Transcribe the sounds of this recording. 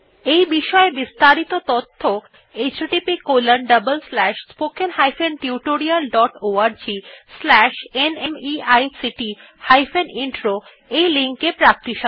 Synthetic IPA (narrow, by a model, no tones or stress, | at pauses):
ejbiʃɔebist̪aɾit̪ot̪ot̪ʰːo | et͡ɕʈipikolənɖəbəlslɛʃspokenɦajfenʈiuʈoɾialɖɔʈoaɾd͡ʑislɛʃenemiajsiʈi | hajfeniɳʈɾo | ejliŋkepɾak̚t̪iʃa